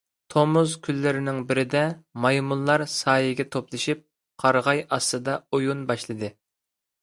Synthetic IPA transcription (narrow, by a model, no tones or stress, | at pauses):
t̪ʰomuzkʲʰylːɪɾɪnɪŋbɪɾɪd̪ɛmɑjmulˠlːˠɑɾsɑːjɪɡʲɛt̪ʰoplˠɨʃip̚ | qʰɑɾʁɑjɑst̪ɨd̪ɑojunbɑʃlˠɨd̪ɨ